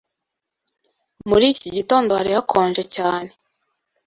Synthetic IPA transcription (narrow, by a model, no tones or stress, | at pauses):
muɾiːciɟito̞ːndohaɾihakʰoːɲʒecaːne